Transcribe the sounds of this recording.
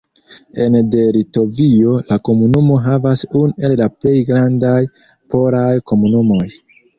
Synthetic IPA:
e̞ndeɾito̞vio̞lako̞munumo̞ɦavasunue̞llaple̞jɡɾandaj | po̞ɾajko̞munumo̞j

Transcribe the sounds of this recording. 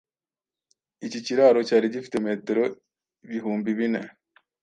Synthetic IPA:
iciciɾaːɾo̞caːɾiɟifi̥temeteɾo | iβiɦuːmbiβine

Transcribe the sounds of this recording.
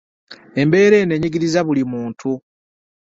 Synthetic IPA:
e̞mbe̞ːɾe̞ːne̞ɲiɡiɾizaβulimuːntʰu

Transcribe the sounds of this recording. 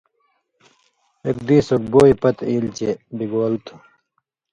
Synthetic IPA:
ekd̪iːsok̚boːipɐt̪iːlt͡ɕebiɡoːlt̪ʰu̥

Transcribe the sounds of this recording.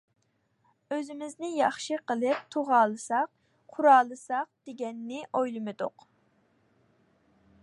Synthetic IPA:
øzɪmɪznɪjɑχʃiqʰəlˠɨp̚t̪ʰoʁɑːlˠɨsɑq̚ | qʰʊɾɑːlˠɨsɑq̚d̪̥eɡʲɛnːɪʔojlˠɨmɨd̪ʊ̰q

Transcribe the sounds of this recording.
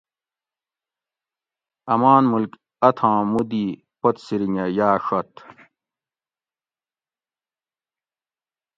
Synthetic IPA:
ɐmaːnmulk | ɐt̪ʰãːmud̪i | pɐt̪siɾiɲɐjaːʂɐt̪

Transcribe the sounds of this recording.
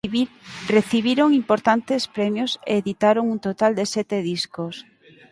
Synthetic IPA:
reθiβiɾoŋimpoɾt̪ant̪espɾɛmjosḛːðit̪aɾoŋunt̪ot̪ald̪esɛt̪eð̞iskos

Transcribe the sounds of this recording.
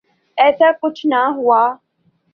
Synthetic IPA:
ɛːsaːkʊt͡ʃʰnaɦʊaː

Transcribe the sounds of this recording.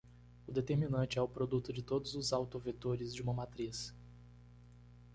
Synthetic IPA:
ʊd̪et̪eɾminɐ̃t͡ʃɪɛʊpɾod̪ut̪ʊd͡ʒɪt̪od̪ʊzʊzawt̪ovet̪oɾɪzd͡ʒɪũmɐmat̪ɾis

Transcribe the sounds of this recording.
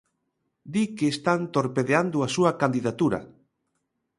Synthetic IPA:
d̪ikeːst̪ant̪oɾpeðeand̪ʊasuɐkand̪iðat̪uɾɐ̰

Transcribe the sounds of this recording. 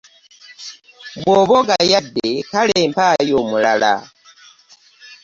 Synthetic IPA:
βwoβoɡajadːekaleːmpajomulala̰

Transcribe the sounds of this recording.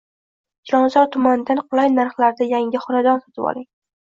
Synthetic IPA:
d͡ʒɒnzɒɾt̪ʰʊmand̪anqʰʊlˠajnaɾχlaɾd̪ajaŋʲɪχʊɾad̪ɒnsɒ̥t̪ʰɪbɒ̰lˠɪŋ

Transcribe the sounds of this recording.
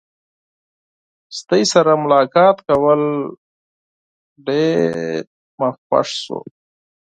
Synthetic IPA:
st̪əjsaɾamʊlɑːkɑːt̪kawəl | ɖeɾ | mapa̰ʂsṵ

